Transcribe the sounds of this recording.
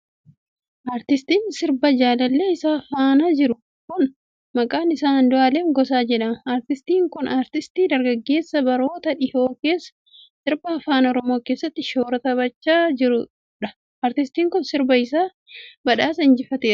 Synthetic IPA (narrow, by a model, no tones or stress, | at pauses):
ʔaːɾt̪ɪst̪iːnsɪɾbɐd͡ʒaːlɐlːe̞ːɪsaːfaːnad͡ʒɪɾʊ | kʊn | mɐkʼaːnɪsaːhɐnd̪ʊʔaːleːŋɡɔsaːd͡ʒɛᶑɐmaːɾt̪ɪst̪iːŋkʊnʔaːɾt̪ɪst̪iːd̪ɐɾɡɐɡːe̞ːsːɐbɐɾo̞ːt̪ɐᶑɪho̞ːke̞ːsɐ̥ | sɪɾbɐɐfaːnɔɾɔmo̞ːkeːsːɐt̪ːɪʃo̞ːɾɐt̪ɐβɐt͡ʃːaːd͡ʒɪɾʊ | ᶑɐ | ɐːɾt̪ɪst̪iːŋkʊnsɪɾbɐɪs̬aː | bɐᶑaːsɐɪnd͡ʒɪfɐt̪eːɾɐ̥